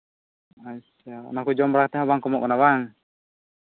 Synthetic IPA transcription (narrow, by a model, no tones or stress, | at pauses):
asanakud͡ʒɔmɾakt̪ɛɦawaŋkɔmɔʔkanawaŋ